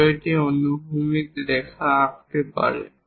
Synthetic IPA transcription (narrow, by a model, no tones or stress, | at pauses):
ɔjtɛɔnuɦumik̚dɛkʰaːkt̪ɛpa̰ɹɛ̰